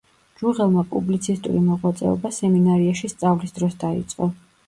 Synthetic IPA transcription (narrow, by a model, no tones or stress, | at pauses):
d͡ʒuʁɛlˠmapʼṵblit̪sʰist̪ʼṵɾimɔʁwat̪sʼɛ̰ɔ̰basɛminaɾiaʃist̪sʼavlisd̪ɾɔsd̪aḭt̪sʼqʼɔ